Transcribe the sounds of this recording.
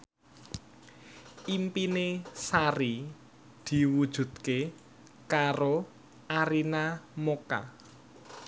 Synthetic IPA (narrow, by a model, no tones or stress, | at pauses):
impinesaɾi | d̪̥i̤wud̥ʒ̥ṳd̪̥̚ke | kaɾo | ʔaɾinamoka̰